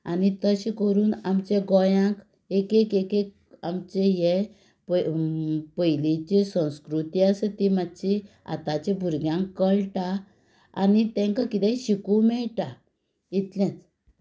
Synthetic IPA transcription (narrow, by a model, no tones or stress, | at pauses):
a̰nit̪əɕĩkəɾuːnamt͡ɕeɡɔjãk | ekekekek̚ | amt͡ɕeje | pə | pəjlet͡ɕesə̃w̃skɾut̪iasət̪imad̪t͡ɕi | a̰t̪at͡ɕẽbʱuɾɡjãŋkːəɭʈa | a̰nit̪ɛ̃ŋkakit̪ɛ̃ɕikũmɛɭʈa | it̪ljãt͡s